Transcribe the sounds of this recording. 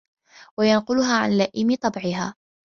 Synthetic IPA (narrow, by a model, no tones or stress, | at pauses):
wajanqʊlʊɦaːʕa̰nlaʔɪmɪt̪ˤɑbʕɪɦa̰ː